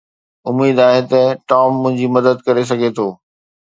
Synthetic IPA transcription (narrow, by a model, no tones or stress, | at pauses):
ʊmiːd̪aːɦet̪ɐʈɔːmːʊ̃ɦɪ̃ɲd͡ʑimɐd̪əd̪kɐɾes̬ɐɡʱet̪ʰoː